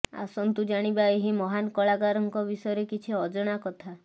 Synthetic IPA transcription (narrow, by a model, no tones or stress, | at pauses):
a̰sɔnt̪ud͡ʒaɽ̃ibaeɦimɔɦanɔkɔɭaɡaɾɔŋkɔbisɔjɔɾekit͡ʃʰiɔd͡ʒɔɽ̃akɔt̪ʰa